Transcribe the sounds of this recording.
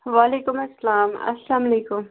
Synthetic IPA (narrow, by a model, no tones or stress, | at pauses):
ʋaːleːkʊmɐsːɐlaːmɐ̰saːmleːkʊm